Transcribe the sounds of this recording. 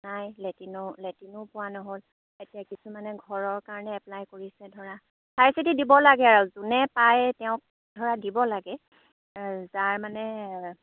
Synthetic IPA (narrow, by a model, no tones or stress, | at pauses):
najletinɔletinʊpʊwanɔɦol | etijakisumanɛɡʱɔɹɔɹkaɹɔnɛɛplajkoɹisɛdʱɔɹa | sʰajsitidibɔlaɡɛaɹuzunɛpajtɛʊ̃k̚ | dʱɔɹadibɔlaɡɛ | zaɹmanɛ